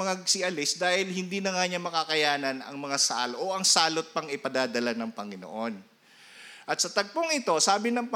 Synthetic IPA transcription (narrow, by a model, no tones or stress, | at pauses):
ŋasɪʔɐlɪsd̪aːhɪlhɪnd̪iːnɐŋaɲamɐkakɐjaːnɐnɐ̰ŋmɐŋasa̰lʔoʔɐŋsaːlot̪̚pɐŋɪpɐd̪aːd̪ɐlanɐŋpɐŋɪno̰ʔo̞n | ʔɐt̪̚sɐt̪ɐɡ̚poŋɪt̪o̞saːbɪnɐŋpɐ